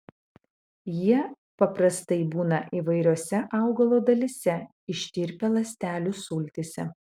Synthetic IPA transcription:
jiɛ | pɐpɾɐst̪ɐɪbuːnɐʔiːˑʋɐɪɾʲuːsʲɛʔɐˑʊɡɐlˠoːd̪ɐlʲisʲɛ | ɪʃʲt̪ʲɪɾʲpʲelˠɐsʲt̪ʲæːlʲuːsʊːlʲt̪ʲesʲɛ̰

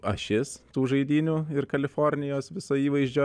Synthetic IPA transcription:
ɐʃʲɪst̪uːʒɐɪd̪ʲiːnʲuːɪrkɐlʲɪfoːrʲnʲɪjoːsʋʲɪsoːiːʋɐɪʒʲd͡ʒʲoː

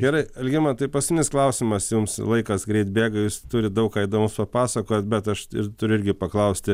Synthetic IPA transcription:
ɡʲɛɾɐɪɐlʲɡʲɪmɐt̪ɐɪpɐsʲmʲɪnʲɪsklˠɐʊsʲɪmɐsjʊmslˠɐɪkɐsɡɾʲɛɪt̪bʲeːɡɐjuːst̪ʊɾʲɪd̪ɐʊkkɑːɪd̪oːmʊspɐpɑːsɐkoːjɛt̪bʲɛt̪ɐʃɪ̰rt̪ʊɾʲʊɪɾʲɡʲɪpɐklˠɐʊsʲt̪ʲɪ

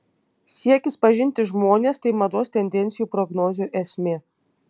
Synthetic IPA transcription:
sʲiɛkʲɪspɐʒʲɪnʲt̪ʲɪʒmoːnʲeːst̪ɐɪmɐd̪oːst̪ʲɛnʲd̪ʲɛnʲt̪sʲɪjuːpɾɔɡnoːzʲuʔɛsʲmʲeː

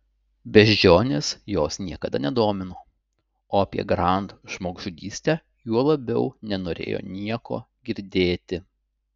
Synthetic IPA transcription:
bʲɛʒʲd͡ʒʲoːnʲeːsjoːsnʲiɛkɐd̪ɐnʲɛd̪oːmʲɪnoː | oːɐpʲḭɛɡɾɐˑnt̪ʒmoːɡʒʊd̪ʲiːsʲt̪ʲɛ | juɔlˠɐbʲɛʊnʲɛnoːɾʲḛːjo̰ːnʲiɛko̰ː | ɡʲɪɾʲd̪ʲeːt̪ʲɪ

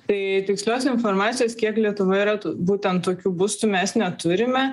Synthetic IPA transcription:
t̪ɐɪt̪ʲɪksʲlʲoːsʲɪnformɑːt͡s̪ʲɪjoːskʲiɛklʲiɛt̪ʊʋɐiɾɐt̪ːbuːt̪ʲɛnt̪tːoːkʲuːbʊst̪ʊmʲɛsnʲɛt̪ʊɾʲɪmʲɛ

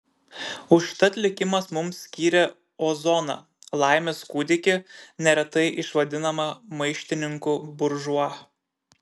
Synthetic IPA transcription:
ʊʃt̪ɐt̪ʲlʲɪkʲɪmɐsmʊmsʲkʲiːɾʲɛ | ozɔnɐ̰ | lˠɑˑɪmʲeskuːd̪ʲɪkʲɪnʲɛɾʲɛt̪ɐɪʔɪʃʋɐd̪ʲɪnɐmɐmɐɪʃʲt̪ʲɪnʲɪŋkubʊɾʒʊɐ

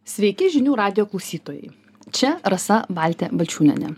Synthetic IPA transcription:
sʲʋʲɛɪkʲɪʒʲɪnʲuːɾɑːd̪ʲɪjoːklˠɐʊsʲiːt̪oːjɛ̰ɪ | t͡ʃʲɛɾɐsɐbɑːlʲt̪ʲɛbɐlʲt͡ʃʲuːnʲɛ̰nʲɛ̰

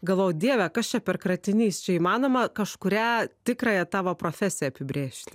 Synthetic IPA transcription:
ɡɐlˠʋoːjd̪ʲiɛʋʲɛkɐst͡ʃʲɛpʲɛrkrɐt̪ʲɪnʲiːst͡ʃʲɛiːmɑːnoːmɐkɐʃkʊɾʲæːt̪ʲɪkɾɑːjɛt̪ɑːʋopɾoːfʲæsʲɪjɛɐpʲɪbʲɾʲeːʃʲt̪ʲɪ

